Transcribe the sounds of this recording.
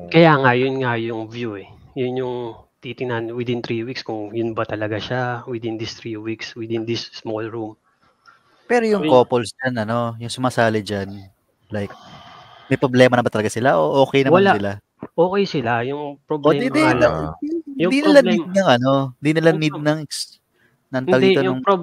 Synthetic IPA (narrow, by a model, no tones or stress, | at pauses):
kɐjaːŋɐjʊnŋajʊŋvjuɛ | jʊnjʊŋt̪it̪ɪŋnɐnwɪd̪ɪnt̪ɾiwikskʊŋjʊnbɐt̪ɐlɐɡaʃawɪd̪ɪnd̪ɪst̪ɾiːwikswɪd̪ɪnd̪ɪsːmolɹum | pɛːɾo̞jʊŋko̞ːpolsd͡ʒanɐno̞jʊŋsʊmaːsaːlɐd͡ʒan | lajk̚ | mɐjpɾoblɛːmɐnɐbɐt̪ɐlɐɡasɪlaʔo̞ʔo̞ːkɛjnɐwmɐlasɪla | ʔoːkɛjsɪlajʊŋpɾobloɛɪd̪iaɪjd̪inɪlad̪̚nɐŋʔɐno̞ɪnd̪inɪlanid̪̚nɐŋɪks | nɐnɐld̪iɛonjʊŋpo